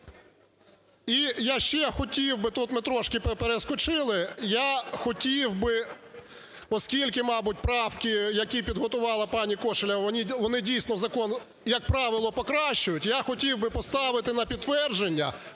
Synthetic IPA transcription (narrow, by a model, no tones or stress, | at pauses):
ijaʃt͡ʃɛxɔtʲiwbɪt̪ut̪mɪt̪ɾɔʃkɪpepeɾeskɔt͡ʃɪlˠɪjaxɔtʲiwbɪ | ɔskʲilʲkɪmɑbʊtʲpɾɑwkɪjɐkʲipʲid̪ɦɔt̪ʊʋɑlˠɐpɑnʲikɔʃɪlʲɐɔnʲiʋɔnɪdʲijsʲnɔzɐkɔn | jɐk̚pɾɑʋɪlˠɔpɔkɾɑʃt͡ʃːʊjʊtʲjaxɔtʲiwbɪpɔst̪ɑʋɪt̪ɪnɐpʲid̪t̪ːʋɛrd͡ʒenʲːɐ̰